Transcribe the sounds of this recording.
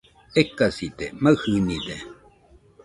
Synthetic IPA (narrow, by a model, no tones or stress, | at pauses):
ekasit̪ḛmahɨnid̪e